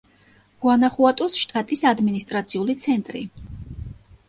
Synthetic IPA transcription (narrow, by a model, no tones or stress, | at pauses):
ɡ̥wanaχuat̪ʼusʃt̪ʼat̪ʼisad̪minist̪ʼɾat̪sʰiulit̪sʰɛnt̪ʼɾḭ